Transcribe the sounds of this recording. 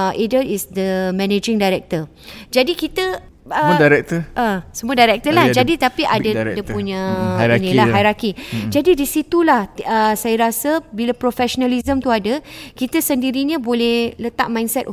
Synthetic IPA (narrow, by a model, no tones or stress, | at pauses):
ʔidəisd̪əmɛ̃ned͡ʒɪ̃ŋdajɾɛk̚t̪ə | d͡ʒadikit̪ə | ədaɾɛk̚t̪əʔəsəmuədajɾɛk̚t̪əlahd͡ʒadit̪apiʔadədəpuɲãnĩlaɦajɾakid͡ʒadidisit̪ulah̪əsajaɾasəbilapɾofɛʃonalizəmt̪uadəkit̪asəndiɾiɲãbolɛhlət̪a̰ʔ̚mãjnsɛt̪̚